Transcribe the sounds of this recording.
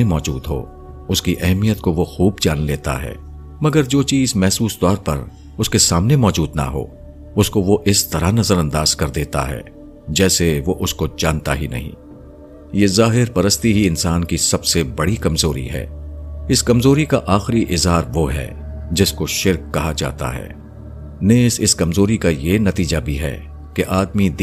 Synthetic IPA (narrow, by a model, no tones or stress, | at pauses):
emɔːd͡ʒṵːd̪ɦo̰ː | ʊskiʔɛɦmijət̪koʋoxuːbd͡ʒaːnleːt̪a̰ɦɛ̰ː | mɐɡəɾd͡ʒoːt͡ʃiːzmɛɦsuːst̪ɔːɾpɐɾ | ʊskesaːmnemɔːd͡ʒuːd̪na̰ɦo̰ː | ʊskoʋoʔɪst̪ɐɾanɐzəɾɐ̃nd̪aːz̥kɐɾd̪eːt̪a̰ɦɛ̰ː | d͡ʒɛːseʋoʔʊskod͡ʒaːnt̪a̰ɦinɐ̰ɦḭ̃ː | jeːzaːɦɪɾpɐɾəst̪iɦiɪnsaːnkisɐbsebɐɽikɐmzoːɾḭɦɛ̰ːɪskɐmzoːɾikaʔaːxɾiʔɪzɦaːɾʋoɦɛ̰ː | d͡ʒɪskoʃɪɾkːɐɦad͡ʒa̰ːt̪a̰ɦɛ̰ː | neːsɪskɐmzoːɾikajenɐt̪iːd͡ʒabʱiɦɛ̰ː | keʔaːd̪mid̪